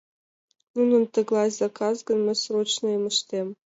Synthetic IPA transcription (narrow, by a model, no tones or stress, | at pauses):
nunŏnt̪ə̆ɡlˠɑjzɑkɑzɡɤ̆nmɘ̆srot͡ɕnŏimə̆ʂt̪ʲem